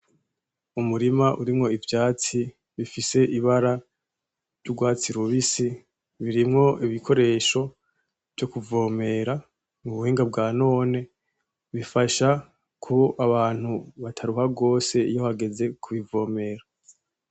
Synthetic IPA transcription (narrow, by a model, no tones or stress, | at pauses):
umuɾimaʔuɾimŋo̞ivjaːt͡si | βifise̞ʔiβaɾa | ɾjuɡwaːt͡siɾuβisi | βiɾimŋo̞iβikʰo̞ɾe̞ːʃo̞ | v̥jo̞kuvo̞ːme̞ɾa | muβuhiːŋɡab̚ɡaːno̞ːne̞ | βifaʃa | kʰuaβaːn̥huβatʰaɾuhaɡo̞ːse̞ijohaɡe̞ze̞kʰuβivo̞ːme̞ːɾa